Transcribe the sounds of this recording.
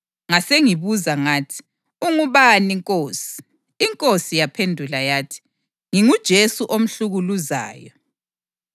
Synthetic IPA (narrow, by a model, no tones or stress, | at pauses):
ŋaseŋiβuzaŋaːtʰi̥ | uŋuβaniŋkʼoːsi̥ː | ŋkʼosijapʰendʱulajaːtʰi̥ | ŋiŋud̥ʒ̥ʱesuʔom̩ɬuɣuluza̰ːjɔ